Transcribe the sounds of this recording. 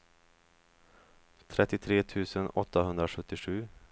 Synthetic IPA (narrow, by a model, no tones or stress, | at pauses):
t̪ʰɾɛt̪ːɪt̪ʰɾeːt̪ʰʉ̟ːsənɔt̪ːaɦɵnd̪ɾaɧɵt̪ːɪɧʉ̟ː